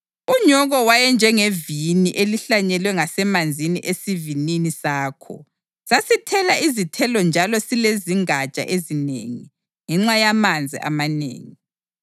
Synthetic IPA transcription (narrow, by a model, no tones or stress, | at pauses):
uɲɔɣɔwajɛnd͡ʒʱɛŋeviniʔeliɬaɲɛlwɛŋasɛmand͡zʱiniʔesivininisaːkʰɔ̰ | sasitʰɛlaizitʰɛlɔnd͡ʒʱalɔsileziŋat͡ʃʼa̰ʔezinḛŋḭ | ŋɛŋ͡ǁajamand͡zʱḭʔa̰manḛːŋi